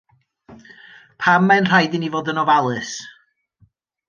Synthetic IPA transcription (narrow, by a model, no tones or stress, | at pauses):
pʰamːanr̥ajdɪnivoːdənɔvalˠɨs